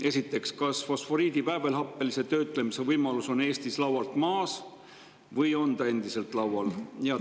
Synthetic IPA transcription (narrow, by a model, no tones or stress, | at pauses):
e̞sit̪ːˑe̞kskɑsfo̞sfo̞ɾiːd̪̥ipæːve̞lɦɑpːˑe̞lise̞t̪ø̞ːt̪ːˑle̞mise̞vɤjmɑluso̞ne̞ːst̪islɑwɑlt̪mɑːs | vɤjo̞nd̪̥ɑe̞nd̪̥ise̞lt̪ˑlɑwwɑljɑ